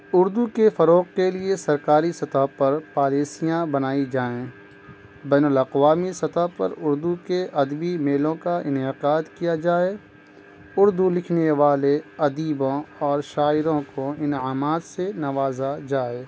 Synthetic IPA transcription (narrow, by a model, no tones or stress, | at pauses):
ʊɾd̪ukefɐɾoːqkeliesɐɾkaːɾisɐt̪aɦpɐɾpaːliːsijãbɐnaːid͡ʒaːẽ | bɛːnʊlɐqʋaːmisɐt̪apɐ̰ɾʊɾd̪ukeʔɐd̪bimeːlõkaɪnɪqaːd̪kijad͡ʒaːe | ʊɾd̪ulɪkʰneʋaːleɐd̪iːbõɔːɾʃaːɪɾõkoɪnaːmaːt̪senɐʋaːzad͡ʒaːeː